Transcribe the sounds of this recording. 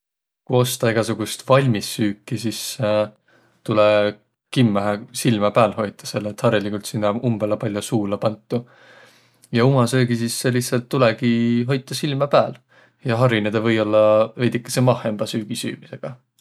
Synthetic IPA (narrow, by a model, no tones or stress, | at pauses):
kujo̞st̪ɑeɡ̥ɑsuɡ̥ust̪vɑlʲmisːyːkːˑisis | t̪ule | kimːæɦæsilmɑpæːlho̞jt̪ˑːɑ̥se̞lːet̪hɑɾjɑlikult̪sinːɑumb̥elɑpɑlʲjosuːlɑpɑnt̪ˑːu | jɑumɑsøːɡisisːeliht̪sɑlt̪ːulekiɦo̞jt̪ːˑɑsilmɑpæːl | jɑɦɑɾined̪ɑvɤ̞jo̞lːɑve̞jd̪ikːˑe̥semɑhe̞mb̥ɑsyːɡ̥isy̰ːmise̞ɡ̥ɑ